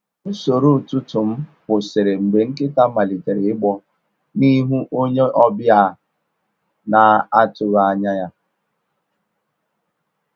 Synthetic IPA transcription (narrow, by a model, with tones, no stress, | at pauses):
so˨ɾu˦˨tu˦tʊ˨m̩˦bʊ˨sɪ˨ɾe˨ŋ͡m̩˨ɡ͡be˨ŋ̩˦kɪ˦ta˦ma˨li˨te˨ɾɪ˨ɪ˦ɡ͡bɔ˦ | ni˦ɦu˦ʔo˦ɲe˦ʔɔ˦bɪ˦a˦˨ | na˨a˦tʊ˨ɣa˦ɲa˦ja˦